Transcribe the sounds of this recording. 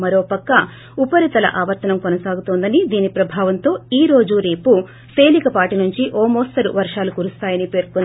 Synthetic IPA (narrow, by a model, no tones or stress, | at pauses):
mɐɾo̞ːpɐkːɐ | upɐɾit̪ɐlɐ̰ʔaːʋɐɾt̪ɐnɐmkonɐsaːɡut̪oːnd̪ɐnid̪iːnipɾɐbʱaːʋɐnt̪o̞ːiːɾo̞ːd͡ʒuɾe̞ːpu | se̞ːlikɐpaːʈinuɲt͡ʃiʔɔːmoːst̪ɐɾṵʋɐɾʂaːlukuɾust̪aːjɐnipe̞ːɾkun